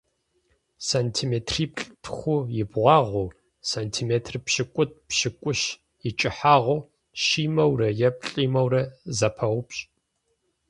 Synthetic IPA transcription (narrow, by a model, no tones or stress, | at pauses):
saːntʰiːmeːtʰriːpɬʼtʰxʷʊjɪbʁʷɑːʁʷuː | saːntʰiːmeːtʰrpʃɪkʷʼʊt̚pʃɪkʷʼʊɕ | ɪt͡ʃʼɪħaːʁʷʊ | ʃiːmɐwrɐjɛp̚ɬʼiːmɐwrɐzɐpʰɐwʷʊpɕʼ